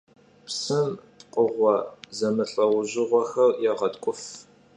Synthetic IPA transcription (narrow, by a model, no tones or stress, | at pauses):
psɨmpqʼəʁʷɔzɐmɨɬʼɐwʊʑɪʁʷɔxɐrjɛʁɐtkʷʼʊf